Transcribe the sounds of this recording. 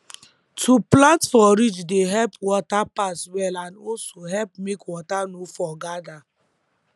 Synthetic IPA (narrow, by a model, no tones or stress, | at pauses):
tʰuplãntfɔɾid͡ʒdeɦɛlpwɔtapaswɛlanɔsoɦɛlpmekwɔtanofɔɡada